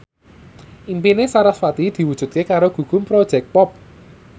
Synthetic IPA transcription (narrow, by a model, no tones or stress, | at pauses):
ʔimpinesaɾaswat̪id̪̥i̤wud̥ʒ̥ṳt̪̚kekaɾoɡ̥ṳɡ̥ʊ̤mpɾod̥ʒ̥ɛk̚pɔp̚